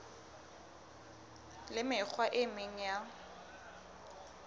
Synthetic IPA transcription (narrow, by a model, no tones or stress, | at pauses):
lɪmɪk͡xʰwaʔɪmɪŋ̩ja